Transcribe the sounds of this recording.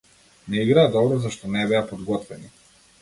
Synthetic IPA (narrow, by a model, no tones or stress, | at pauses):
nɛiɡɾaːd̪ɔbɾɔzaʃt̪ɔnɛbɛapɔd̪ɡɔt̪vɛni